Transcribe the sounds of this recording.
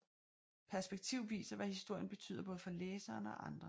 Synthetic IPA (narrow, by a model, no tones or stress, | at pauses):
pʰæɐsb̥eɡ̥̚t͡sʰiʊʋḭːsɐʋæhisd̥o̝ɐ̰jənb̥e̝t͡sʰy̰ːðˠɐbɔ̽ðˠfɒ̽leːsɐːnɒ̽ʔɑ̈nd̥ʁɐ